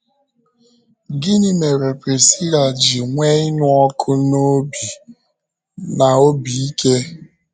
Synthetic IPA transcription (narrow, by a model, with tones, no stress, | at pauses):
ɡɪ˦ni˦me˨ɾe˨pɾe˨si˦ɾa˨d͡ʒi˨ŋʷe˦ɪ˦nʊ˦ɔ˦kʰʊ˦no˦bi˨ | na˨o˦bi˨i˦kʰe˦